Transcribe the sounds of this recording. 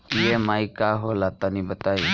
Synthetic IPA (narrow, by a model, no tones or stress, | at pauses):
ieːmaːikaːɦoːlaːt̪anĩːbət̪aːiː